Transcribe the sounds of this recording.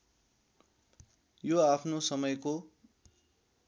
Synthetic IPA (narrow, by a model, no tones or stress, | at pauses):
joapʰnosʌmʌjko